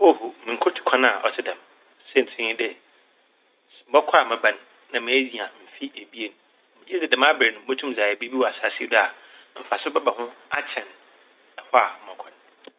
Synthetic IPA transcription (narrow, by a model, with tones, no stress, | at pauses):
o˦˨hu˨mĩ˨ŋ̩˨kʰʊ˦tʰu̥˨kʰã˦n˦a˨ʔɔ̰˨tʰɪ˦dã˨m | sɛ˦˨n̩˨tʰɪ̃˦ĩ˦dɪ˦˨ | bɔ˦kʷʰa˨mɪ̃˨bã˨ñː˨ã˨mɪ̃˦e˦d͡zi˨a˨m̩˨fi˦ʔe˨bi˦e˨nũ˨˦ | mɪ̃˨˦d͡ʑɛ˦dɪ˨dã˨m˦a˦bɾɛ˨nʊ̃˨˦bo˦tʰũ˦m˦zaː˨jɛ˨bi˦bi˦wa˨sa˨˦si˦da˨ | m̩˨fa˨sʊ˦bɛ˦ba˨hʊ̃˦a˦t͡ɕʰɛ̃˨n | a˨hɔ˦a̰˨m̩˨ɔ̃˨kʰã˦n˨